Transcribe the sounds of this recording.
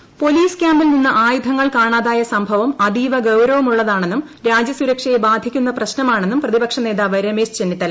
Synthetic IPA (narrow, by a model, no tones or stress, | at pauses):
po̞liːskʲjaːmbilninːɨʔaːjud̪ʱɐŋːɐɭkaːɳaːðaːjɐsɐmbʱɐʋɐmɐd̪iːʋɐɡɐwɾɐʋɐmuɭːɐðaːɳe̞nːum | ɾaːd͡ʑjɐsuɾɐkʂɐjebaːd̪ʱikʲːunːɐprɐɕnɐmaːɳe̞nːumprɐðibɐkʂɐneːðaːʋɐɾɐmeːst͡ɕenːit̪ːɐl